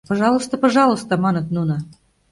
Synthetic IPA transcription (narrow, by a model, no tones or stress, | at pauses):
pɑʒɑlˠəst̪ə̆pəʒɑlˠə̆st̪ə̆mɑnɤ̆t̪nunə